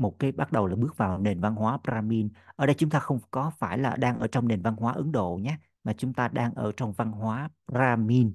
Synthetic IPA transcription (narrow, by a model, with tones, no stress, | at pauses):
mo˨˩t̚kaː˨˦jɓa˦˥t̚ɗə˨˩wlaː˨˩ɓɨ˦˥ək̚vaː˨˩wne˨˩nva˧nɦwaː˨˦pɾaː˧mi˧nʔʔəː˧˩ɗə˧jt͡ɕʊ˨˦ŋ͡mt̪aː˧xə˧wŋ͡mkɔ˨˦faː˧˩jlaː˨˩ɗaː˧ŋʔəː˧˩t͡ɕɔ˧wŋ͡mne˨˩nva˧nɦwaː˨˦ʔɨ˨˦ŋɗo̰˧˨ɲaː˨˦ | maː˨˩t͡ɕʊ˨˦ŋ͡mt̪aː˧ɗaː˧ŋʔəː˧˩t͡ɕɔ˧wŋ͡mva˧nɦwaː˨˦pzaː˧mi˧n